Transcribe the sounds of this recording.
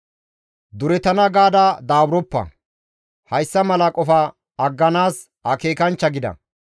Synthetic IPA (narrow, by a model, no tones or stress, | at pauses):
d̪ʊɾɛt̪ɐnɐɡaːd̪ɐd̪aːbɾɔpːɐ̰ | hɐjsːɐmɐlɐkʼɔfɐː | ɡːɐnaːs | ɐke̞ːkɐnt͡ʃːɐɡɪd̪ɐ̰